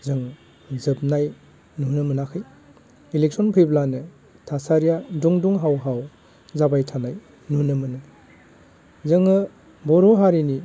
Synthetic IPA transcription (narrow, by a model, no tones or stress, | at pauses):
zɯŋ | zɯp̚naj | nunɯmɯnakʰɯj | ilek̚sɔnpʰɯjblanɯ | tʰasaɾijaduŋduŋɦawɦaw | zabajtʰanaj | nunɯmɯnɯ | zɯŋɯ | bɔɾoɦaɾini